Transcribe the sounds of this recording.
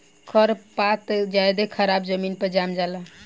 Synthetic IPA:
kʰəɾpat̪d͡ʒajd̪ekʰəɾabd͡ʒəminpəd͡ʒamd͡ʒala

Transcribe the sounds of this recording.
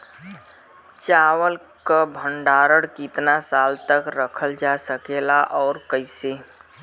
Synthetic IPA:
t͡ʃaːwəl | kabʱə̃ɳɖaːɾəɽkɪt̪nasaːlt̪əkɾəkʰəld͡ʒasəkelaʔɔːɾkəɪse

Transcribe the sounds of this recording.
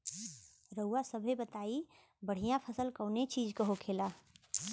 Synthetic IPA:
ɾəʊwasəbʱebət̪aːi | bəɽ̤ijãpʰəsəlkəːnet͡ʃiːd͡ʒkəɦokʰeːlaː

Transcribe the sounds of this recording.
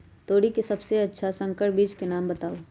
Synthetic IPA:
t̪oːɽikesɐbseɐtːʃʰasə̃ŋkəɾʈbiːt͡ʃkenaːmbət̪aːo

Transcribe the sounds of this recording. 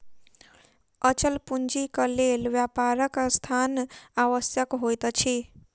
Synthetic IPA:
ət͡ʃəlpund͡ʒikəlelʋwjapaɾəkst̪ʰanaʋəsjəkɦojt̪t͡ʃʰi

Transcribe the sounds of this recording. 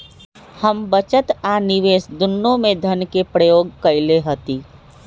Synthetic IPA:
həmbət͡ʃət̪aːnɪʋeːsd̪ʊnːõmẽd̪ʱənkepɾəjoːɡkɐɪleɦət̪iː

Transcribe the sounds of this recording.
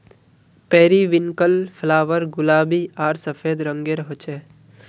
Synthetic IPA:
pɛːɾiːʋɪŋkəlpʰlaːʋəɾɡʊlaːbiaːɾsəfʰeːd̪ɾə̃ŋɡeːɾɦot͡ʃɛː

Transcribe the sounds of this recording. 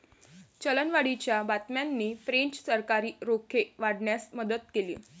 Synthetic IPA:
t͡ɕələnʋaɽit͡ɕjabat̪mjanːiːfɾeɲt͡ɕsəɾkaɾiːɾokʰeʋaɽɳjasməd̪ət̪̚kelḭː

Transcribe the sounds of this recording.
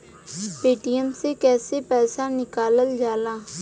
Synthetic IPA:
peːʈijəmsekɛːsepɛːsanɪkaːləld͡ʒaːlaː

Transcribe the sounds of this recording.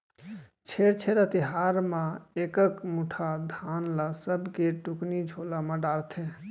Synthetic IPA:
t͡ʃʰeɽt͡ʃʰeɾət̪iɦaɾmãekəkmuʈʰad̪ʱanlasəbʱkeʈuknid͡ʒʱolamẽɖaɾt̪ʰe

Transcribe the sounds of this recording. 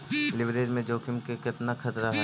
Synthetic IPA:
lɪbd̪eːd͡ʒmẽd͡ʒoːkɪmkekɪt̪nakʰɐt̪ɾaɦɛ

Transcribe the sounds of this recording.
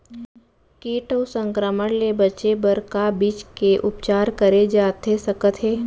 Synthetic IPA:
keːʈoːsə̃ŋkɾəməɽlebɐtːt͡ʃebəɾkabit͡ʃkeʔʊpt͡ʃaːɾkəɾed͡ʒaːt̪esɐkət̪ɦeː

